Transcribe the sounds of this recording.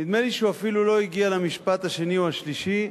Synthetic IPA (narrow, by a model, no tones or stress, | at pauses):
nid̪meliʃuafilulo̞iɡialamiʃpat̪haʃe̞niuaʃliʃi